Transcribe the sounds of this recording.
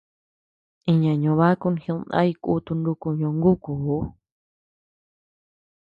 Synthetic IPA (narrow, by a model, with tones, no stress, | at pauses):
ĩ˧ɲã˨ɲõ˨βa˦ku˧nxĩ˧nã̰˦i˧kṵ˦˧t̪u˧ndu˧ku˧ɲõ˧ŋɡu˦kuː˨˦